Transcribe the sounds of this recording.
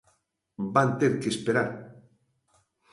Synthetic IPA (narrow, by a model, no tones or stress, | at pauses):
bant̪eɾkespeɾaɾ